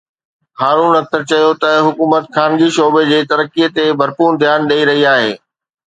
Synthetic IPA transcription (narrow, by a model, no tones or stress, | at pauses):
haːɾuːnɐk̚t̪əɾt͡ɕɐjot̪ɐɦʊkuːmət̪kʰaːnd͡ʑiːʃoːbed͡ʑeːt̪ɐɾəkːiet̪ebʱɐɾpuːnd̪ʱjaːnɗɐːiɾɐɦiaːɦḛː